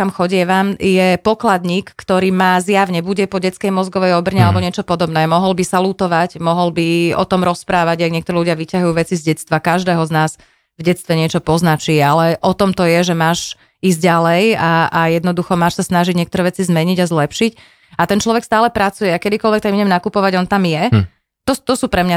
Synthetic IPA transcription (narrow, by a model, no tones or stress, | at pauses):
amxɔɟɪɛʋamjɛpɔklad̪ɲiːkːt̪ɔɾiːmaːzjaʋɲɛbuɟɛpɔɟɛt͡skɛjmɔzɡɔʋɛjɔbr̩ɲɛalɛbɔɲɪɛt͡ʃɔpɔd̪ɔbnɛːmɔɦɔlbisalut̪ɔʋacmɔɦɔlbiɔ̰t̪ɔmɾɔspɾaːʋaɟjaɡɲɪɛkt̪ɔɾɛːluɟɪaʋicaɦujuːʋɛt͡sizɟɛt͡st̪ʋakaʒd̪ɛːɦɔznaːz | vɟɛt͡st̪ʋɛɲɪɛt͡ʃɔpɔznat͡ʃialɛʔɔt̪ɔmt̪ɔjɛʒɛmaːʃ | iːzɟɟalɛjaajɛd̪nɔd̪uxɔmaːʃsasnaʒiɟɲɛkt̪ɔɾɛːʋɛt͡sizmɛɲiɟazlɛpʃic | at̪ɛnt͡ʃlɔʋɛkst̪aːlɛpɾat͡sujɛakɛd̪ikɔlʋɛk̚t̪aɡmiɲɛmnakupɔʋaɟɔnt̪amjɛ | t̪ɔt̪ɔsuːpɾɛmɲa